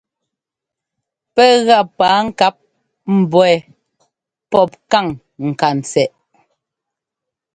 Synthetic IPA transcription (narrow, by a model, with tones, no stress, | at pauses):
pɛ˦ɣa˦˨paː˨˦ŋ̩˦˨ka˦p̚ | m̩˨bɔ˨ɛ˨ | pɔ˦p̚ka˦˨ŋ | ŋ̩˨ka˨n˨t͡sɛ˨ʔ